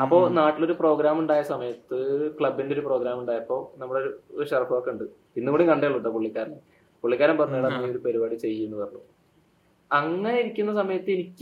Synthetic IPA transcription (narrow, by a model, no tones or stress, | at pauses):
ɐpːo̞ːnaːʈːilo̞ɾupro̞ːɡɾaːmuɳɖaːjɐsɐmɐjɐt̪ːɨkɭɐbːindeɾupro̞ːɡɾaːmuɳɖaːjɐpːo̞ːnɐmːuɽeɾuɕɐrfɐʋokːeuɳɖɨ | inːumuɽiŋkɐɳɖejɐɭːuɳɖɐpuɭːikʲːaːɾɐn | puɭːikʲːaːɾɐmpɐrɐɲːuiɽɐnɐmːo̞ɾupɐɾibaːɽit͡ɕe̞jːiunːuʋɐrɐɭːo̰ | ɐŋːɐneiɾikʲːunːɐsɐmɐjɐt̪ːɨenikʲː